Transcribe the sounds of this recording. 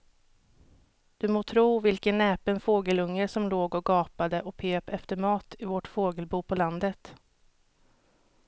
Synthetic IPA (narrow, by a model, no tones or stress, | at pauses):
d̪̥ɵmoːt̪ʰɾuːvɪlkənːɛːpənfoːɡəlɵŋːəsɔmloːɡɔɡɑːpad̪əʔɔpʰeːpɛft̪əɾmɑːt̪ɪvɔʈfoːɡəlbuːpʰɔland̪ət̪